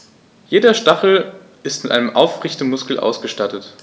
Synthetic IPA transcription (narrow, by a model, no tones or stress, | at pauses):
jeːdɐʃtaχl̩ | ʔɪstmɪtʔa̰ɪnəmʔaʊfʁɪçtəmʊskl̩ʔa̰ʊsɡ̥əʃtatət